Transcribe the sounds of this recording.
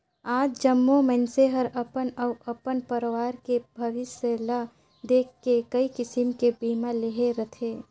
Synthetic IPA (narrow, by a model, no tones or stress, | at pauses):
aːd͡ʒd͡ʒəmːomənseɦəɾəpənəːəpənpəɾwaːɾkebʱəʋɪsəla | d̪eːkʰːekəikɪsɪmkebiːmalɪɦeɾət̪ʰeː